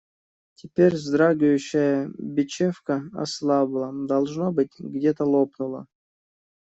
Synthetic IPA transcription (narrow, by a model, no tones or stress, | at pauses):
tʲɪpʲeɾʲzd̪ɾaɡʊjʉɕːəjəbʲɪt͡ɕefkəɐ̰slˠɑblˠəd̪alˠʐnobɨt̚ʲɡdʲet̪əlˠopnulˠə̰